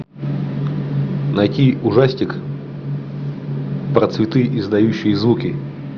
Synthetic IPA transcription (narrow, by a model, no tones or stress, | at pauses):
nɐjtʲiʊʐasʲtʲɪk | pɾət̪svʲɪt̪ɨʔɪzd̪ɐjuɕːɪjəzvukʲɪ